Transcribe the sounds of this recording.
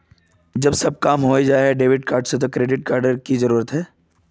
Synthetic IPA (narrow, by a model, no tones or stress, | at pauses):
d͡ʒɐbsɐb̚kaːmɦoed͡ʒaːɦɛɖeːʋɪɖ̚kaːɾɖset̪̬okɾeːɖɪʈ̚kaːɾɖəɾkizɐɾuːɾət̪ɦɛː